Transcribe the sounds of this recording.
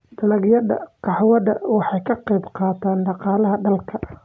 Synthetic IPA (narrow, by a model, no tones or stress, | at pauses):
t̪ʰɐlɐɣjɐðɐ̰qʰɑħwɐðɐwɑħɑjkʰɑqɛjbqɑːt̪ʰaːnɖɑqɑːlɐɦɐɖɐlkʰɐ